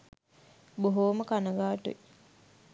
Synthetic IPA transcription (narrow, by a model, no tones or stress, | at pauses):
boɦoːməkanəɡaːʈṵe